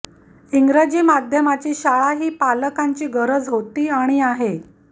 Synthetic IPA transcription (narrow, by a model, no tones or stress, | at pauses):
iŋɡɾad͡ʑiːmad̪ʱjəmat͡ɕiːɕaɭaɦiːpaləkaɲt͡ɕiːɡəɾəd͡zɦot̪iːaɽ̃iaɦe